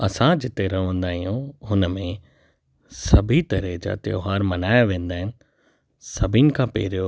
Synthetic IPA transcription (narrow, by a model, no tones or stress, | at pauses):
ɐsãd͡ʑɪt̪eɾɐɦʋə̃nd̪aːɦijũɦʊnəmẽ | sɐbʱit̪ɐɾɛɦd͡ʑa̰ːt̪ɪjo̰ɦaːɾmɐnaːjaʋẽːnd̪aːɦɪnɪ̆ | sɐbʱɪnɪ̆kʰãpḛːɾjo